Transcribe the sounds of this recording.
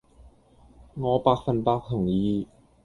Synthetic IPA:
ŋɔː˧paː˧˥k̚fa˨˧˩npaː˧˥k̚t̪ʰɔ˨˩ŋjiː˨˥

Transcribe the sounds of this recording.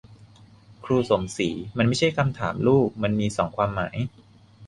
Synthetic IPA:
kʰɾuː˧so˨˩˦msiː˩˦ma˧nma˥˩jt͡ɕʰa˥˩jkʰa˧mt̪ʰa̰ː˩˦mluː˥˩k̚ma˧nmiː˧sɔː˩˦ŋkʰwaː˧mːa̰ː˩˦j

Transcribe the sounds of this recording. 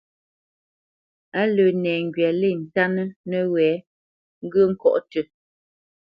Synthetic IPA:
a˦lə˨nɛː˨ŋ˨ɡɥa˨le˦˨n̩˨ta˦nə˦nə˦wɛː˨˦ | ŋ̩˦ɡə˦ŋ̩˦kɔ̰˦ʔtə˨

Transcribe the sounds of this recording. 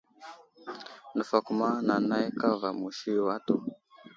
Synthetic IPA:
ndə˨fa˨ku˨ma˦na˨na˦i˦ka˦va˨mu˨ʃi˦˨wa˦to˨

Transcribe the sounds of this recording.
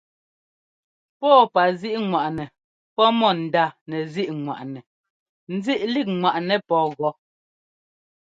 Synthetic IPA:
pɔː˦˨pa˨zi˦ʔŋwa˨ʔnɛ˨ | pɔ˦mɔ˦˨n̩˨da˦˨nɛ˨zi˦ʔŋwa̰˨ʔnɛ˨ | n̩˦zi˦ʔli˦˨k̚ŋwa˨ʔnɛ˨pɔː˨˦ɣɔ˦

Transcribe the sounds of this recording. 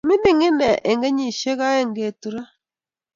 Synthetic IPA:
mi˦di˦˨ŋi˦nɛ˨ʔe˨ŋɡe˦ɲi˨ʃe˦ɣa˦e˦˨ŋɡe˨tu˨ɾa˦

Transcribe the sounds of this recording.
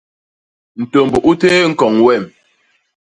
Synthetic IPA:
n̩˨to˨mbu˨ʔu˦teː˦ŋ̩˦kɔ˨ŋwɛ˦˨m

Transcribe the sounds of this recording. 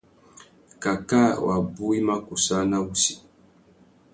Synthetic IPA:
ka˨ka˦˨wa̰˨bu˦i˦ma˦ku˨sa˦na˦wu˦si˨

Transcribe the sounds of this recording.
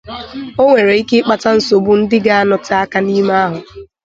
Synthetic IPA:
o˦ŋʷe˨ɾe˨i˦kɪ˦k͡pa˨ta˦n̩˨˦so˨bʊ˦n̩˦dɪ˦ɡa˦a˦nɔ˨tɪ˨a˦ka˦ni˦ma˦a˦ɦʊ˨

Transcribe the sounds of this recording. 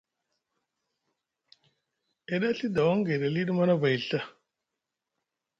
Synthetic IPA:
e˨ɗa˦ɬi˦da˨wa˦ŋɡa˨ɾa˨li˦ɗma˦na˦ba˨ji˨ɬa˦

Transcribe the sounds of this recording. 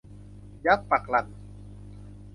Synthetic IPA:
ja˦pa˨kla˨n

